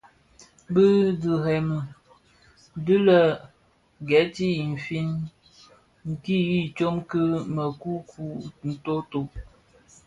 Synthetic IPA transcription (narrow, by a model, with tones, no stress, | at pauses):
bə˦dɨ˨ɦɛ˨mə˨ | dɨ˦lə˨ | ɡɛ˨˦ti˦i˨n̩˨fi˦n | ŋ̩˨ki˦ji˦t͡ʃo˦mkɨ˦mə˨ku˦kʰu˦n̩˨to˦to˨ʔ